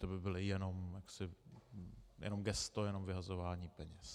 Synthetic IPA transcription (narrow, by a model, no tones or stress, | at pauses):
t̪obɪbɪlɪjɛno̞mjaksɪ | jɛ̰no̞mɡɛst̪ojɛno̞mvɪɦazovaːɲiːpɛɲɛs